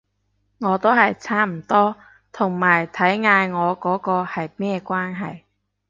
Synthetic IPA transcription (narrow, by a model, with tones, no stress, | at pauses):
ŋɔː˨˧t̪o˥wɦɐ˨jt͡sʰaː˥m̩˨˩t̪ɔː˥ | t̪ʰʊ˨˩ŋmaː˨˩jt̪ʰɐ˨˥jŋaː˧jŋɔː˨˧kɔː˨˥kɔː˧hɐ˨jmɛː˥˧kʷwaː˥nɦɐ˨j